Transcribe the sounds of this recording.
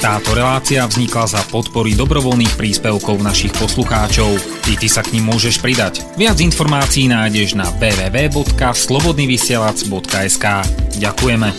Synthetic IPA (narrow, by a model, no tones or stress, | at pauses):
t̪aːt̪ɔɾɛlaːt͡siavzɲiklazapɔt̪pɔɾid̪ɔbɾɔʋɔlniːxpɾiːspɛʊkɔʊnaʃixpɔsluxaːt͡ʃɔʊ | it̪isakɲimːʊɔʒɛʃpɾid̪ac | ʋɪad͡zinfɔɾmaːt͡siːnaːjɟɛʒnaʋɛːʋɛːʋɛːbɔt̪kaslɔbɔd̪niːʋisɪɛlad͡zbɔt̪kaɛskaːɟakujɛmɛ